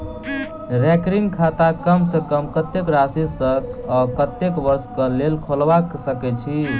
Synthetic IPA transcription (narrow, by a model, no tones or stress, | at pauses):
ɾɛkɾiŋɡkʰat̪akəmsə̃kəmkət̪ːekɾasisəkɔkət̪ːekʋəɾskəlelkʰolʋaksəkɛt͡ʃʰi